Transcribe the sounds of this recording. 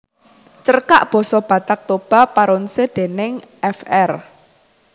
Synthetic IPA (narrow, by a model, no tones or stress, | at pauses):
t͡ʃərka̰ʔb̥ɔ̤sɔb̥ä̤t̪ak̚t̪ob̥a̤paɾʊnsed̥e̤nɪŋʔɛfɛr